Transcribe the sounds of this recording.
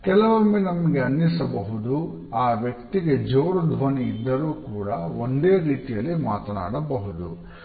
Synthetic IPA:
kɛlɐʋɐmːenɐmɐɡeɐnːisɐbɐɦud̪u | aːʋjɐk̚t̪iɡe̞d͡ʒoːɾud̪ʱɐniid̪ːɐɾuːkuːɽɐond̪eːɾiːt̪ijɐlːima̰ːt̪ɐna̰ːɽɐbɐɦud̪u

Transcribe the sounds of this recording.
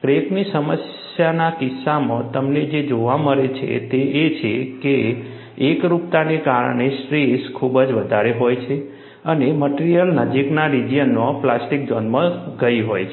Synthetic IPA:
kɾeknisəməs | janakɪsːamə̃t̪əmned͡ʒed͡ʒoʋaməɾet͡ʃʰḛt̪eʔet͡ʃʰekeː | kɾupt̪anekaɾəɳesʈɾeskʰubəd͡ʒʋəd̪ʱaɾeɦojt͡ʃʰe | əneməʈiɾijəlnəd͡ʒiknaɾid͡ʒijənːõplasʈik̚d͡ʒɔnmə̃ɡəiɦojt͡ʃʰe

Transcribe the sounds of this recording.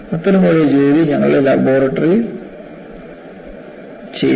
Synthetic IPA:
ɐt̪ːɐnumoːɭed͡ʑeːðiɲɐŋːɐ̰ɭelɐboːɾɐʈːɐri | t͡ɕḛ

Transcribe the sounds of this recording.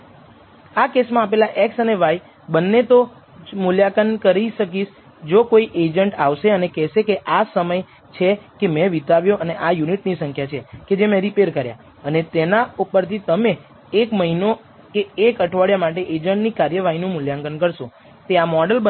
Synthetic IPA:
akesmãp̬elaʔeksəneʋaj | bənːet̪o | muljakənkəɾiʃək̬iʃ | d͡ʒokoiʔed͡ʒəɳʈaʋʃeənekɛʃekeʔasəməj | t͡ʃʰekemɛ̃ʋit̪aʋjoʔəneʔajuniʈnisəŋkʰjat͡ʃʰeked͡ʒemẽɾipeɾkəɾja̰ | ənet̪enaupəɾt̪ʰit̪əmeː | kməɦino | keːkəʈʰʋaɽjamaʈeʔed͡ʒəɳʈnikaɾjəʋaɦinũmuljaŋkənkəɾʃo | t̪eamɔɖəlbə

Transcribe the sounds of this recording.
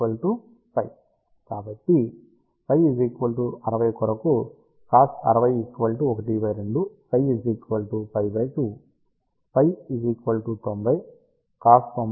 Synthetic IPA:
ɐlʈu | pɐj | kaːbɐʈːi | pʰɐjid͡ʒikʋɐlʈuɐɾɐʋɐjkɔɾɐku | kaːsɐ̰ɾɐʋɐjikʋɐlʈuɔkɐʈipɐjɾeɳɖupʰɐjizikʋɐlʈupɐjbɐjʈu | pɐjid͡ʒikʋɐlʈut̪ombʱɐj | kaːst̪om

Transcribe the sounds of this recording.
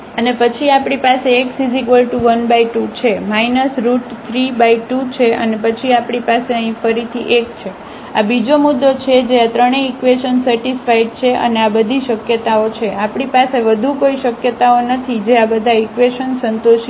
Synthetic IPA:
ənepət͡ʃʰiapɽipaseːksizikbəlʈuʋənbaiʈut͡ʃʰemajnəsɾuʈt̪ʰɾibaiʈut͡ʃʰeə̰nepət͡ʃʰiapɽipaseəɦĩfəɾit̪ʰiʔekt͡ʃʰe | abid͡ʒomud̪ːot͡ʃʰed͡ʒeat̪ɾəɽ̃eːkʋeʃənsəɾʈisfaiɖ̚t͡ʃʰeʔə̰neabəd̪ʱiʃəkjət̪aot͡ʃʰeʔapɳ̃ipaseʋəd̪ʱukoiʃəkjət̪aonət̪ʰid͡ʒeabəd̪ʱaikʋeʃənsənt̪oʃ

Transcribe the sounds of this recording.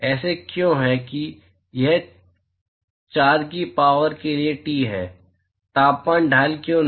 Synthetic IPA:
ɛːsekjõːɦɛki | jɛɦ | t͡ʃaːɾkipaːʋəɾkelieʈiːɦɛ̰ː | t̪aːpːaːnɖʱaːlkjõːn

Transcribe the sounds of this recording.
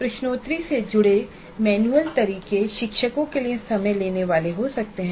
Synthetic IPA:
pɾɪʃnoːt̪ɾised͡ʒʊɽe | mɛːnuəlt̪ɐɾiːkeʃɪkʃəkõkeliẽsɐməjleːneʋaːleɦosɐk̚t̪eɦɛ̃

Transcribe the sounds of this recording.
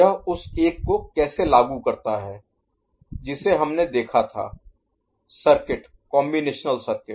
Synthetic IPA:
aɦʊseːkːokɛːselaːɡukɐɾt̪aɦɛː | d͡ʒɪseɦɐmned̪eːkʰat̪ʰa̰ː | sɐɾkɪʈ | kɔːmbineːʃnəlsɐɾkɪ

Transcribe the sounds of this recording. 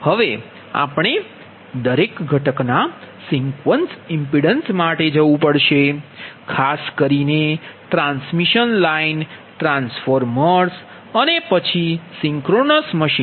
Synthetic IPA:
həʋe | a̰pɳ̃e | d̪əɾekɡʱəʈəknasiŋkʋənsɪmpiɽənsmaʈed͡ʒəʋũpəɽʃekʰaskəɾineʈɾãnsmiʃənlainʈɾãnsfoɾməɾs | ənepət͡ʃʰisĩŋkɾonəsməʃi

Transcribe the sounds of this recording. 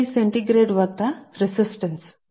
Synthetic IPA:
iseɳʈiɡɾeɖʋak̚t̪aɾisisʈəns

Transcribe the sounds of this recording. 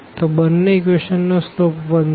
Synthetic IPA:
t̪obənːeek̬ʋeʃənːoslopʋən

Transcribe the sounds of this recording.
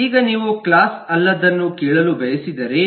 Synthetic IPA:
iːɡɐniːʋuklaːsɐlːɐd̪ɐnːukeːɭɐlubɐjɐsid̪ɐɾe̞

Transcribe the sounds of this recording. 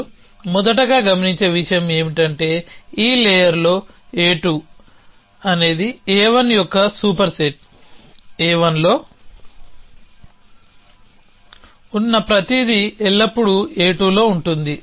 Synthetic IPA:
mɔd̪ɐʈɐɡaːɡɐmɐniɲt͡ʃe̞ːʋiʂɐjɐme̞ːmiʈɐɳʈe̞ːiːlɛːjɐɾlo̞ː | eːʈu | ɐne̞ːd̪iɛːʋɐnjɔkːɐsuːpɐɾseʈ̚ | ɛːʋɐnlo̞ː | unːɐpɾɐt̪id̪iɛɭːɐpːuɽueːʈuːlo̞ːuɳʈund̪i

